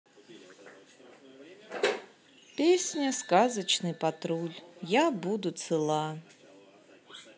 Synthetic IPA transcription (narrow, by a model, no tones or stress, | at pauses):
pʲesʲnʲɐskazɐt͡ʃnɨpat̪ɾulʲjabud̪ut̪sɨlˠa